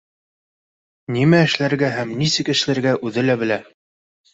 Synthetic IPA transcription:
nimæɘ̆ʃlæɾɡæɦæmnisɘ̆kɘ̆ʃɘ̆læɾɡæʔʉðɘlæbɘ̆læ

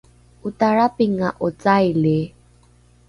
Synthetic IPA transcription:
utaɾapiŋaʔut͡sajli

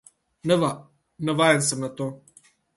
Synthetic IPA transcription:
nəva | nəvaensəmnat̪o

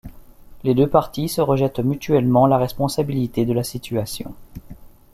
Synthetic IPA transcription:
led̪øpaʁt̪isəʁəʒɛt̪myt̪ɥɛlmɑ̃laʁɛspɔ̃sabilit̪ed̪əlasit̪ʰyasjɔ̰̃

